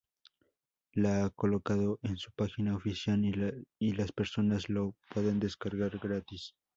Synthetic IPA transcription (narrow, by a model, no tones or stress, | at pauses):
laako̞lo̞kaðo̞ʔensu̥paxinaofisjalilaspe̞ɾso̞nazlopweðe̞nd̪e̞skaɾɣaɾɡɾat̪is